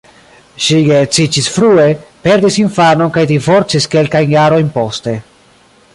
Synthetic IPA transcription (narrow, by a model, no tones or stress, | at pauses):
ʃiet͡sit͡ʃisfɾue̞pe̞ɾdisinfano̞nkajdivo̞ɾt͡siske̞lkajnjaɾo̞jnpo̞ste̞